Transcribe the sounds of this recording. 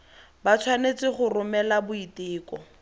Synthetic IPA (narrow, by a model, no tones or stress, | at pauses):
bat͡sʰwanet͡sɪχʊrʊmɛlabʊitɪːkɔ